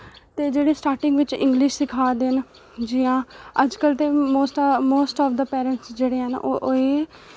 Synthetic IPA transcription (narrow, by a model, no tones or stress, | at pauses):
t̪eːd͡ʒeːɽeːsʈaːɾʈɪ̃ŋɡʋɪt͡ʃɪ̰̃ŋɡlɪʃsɪkʰaːd̪en | d͡ʒɪjãːəd͡ʒkəlt̪eːmoːsʈmoːsʈɔːʋd̪əpɛːɾə̃ɳʈsd͡ʒeːɽeːɦɛnʔʔoeː